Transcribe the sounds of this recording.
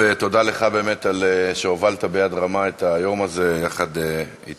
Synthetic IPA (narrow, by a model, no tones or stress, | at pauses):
et̪o̞d̪ale̞χabe̞ːmet̪aleʃeovalt̪abejad̪ʁamae̞t̪ajo̞maze̞jaχad̪e | it